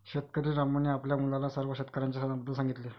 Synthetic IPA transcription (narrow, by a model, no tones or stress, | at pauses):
ɕet̪kəɾiːɾaməniapljamulalasəɾʋəɕet̪kəɾaɲt͡ɕjasənabəd̪ʱːəlsãŋɡit̪le